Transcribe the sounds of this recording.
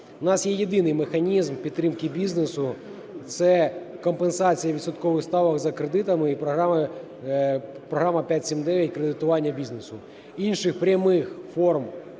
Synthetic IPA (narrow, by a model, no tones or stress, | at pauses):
ʊnɑsjejed̪ɪnɪjmexɐnʲizmpʲid̪ɾɪmkɪbʲiznesʊ | t̪sɛkɐmpensat͡sʲijɐʋʲid̪sɐt̪kɔʋɨxst̪ɑʋɐkzɐkɾed̪ɪt̪ɐmɪipɾɐɦaɐ | pɾɔɦɾamɐpʲatʲsʲimʲd̪ɛʋʲjɐtʲkɾed̪ɪt̪ʊʋɑnʲːɐbʲiznesʊ | inʃɨxpɾʲɐmɪxfɔrm